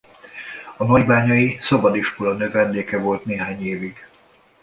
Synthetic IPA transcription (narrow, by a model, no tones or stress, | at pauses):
ɒnɒɟbaːɲɒisɒbɒd̪iʃkolɒnøːvɛnd̪eːkɛvo̞lt̪neːɦaːɲeːviɡ̥